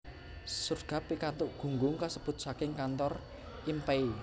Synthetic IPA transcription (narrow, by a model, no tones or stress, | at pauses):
surɡ̥a̤pikant̪ʊʔɡ̥ṳŋɡʊŋkasəb̥ʊ̤t̪̚sakɪŋkant̪ɔr | impɛi